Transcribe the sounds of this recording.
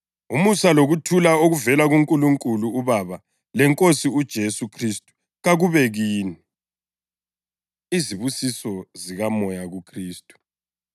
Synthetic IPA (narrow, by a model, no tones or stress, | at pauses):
umusaloɣutʰulaoɣuvɛlaɣuŋkʼuluŋkʼuluːβaβa | lɛŋkʼosiud̥ʒ̥ʱesukʰristʼu̥ | ɣaɣuβɛɣiːni | iziβusisɔziɣamɔjaɣukʰriːstʼu̥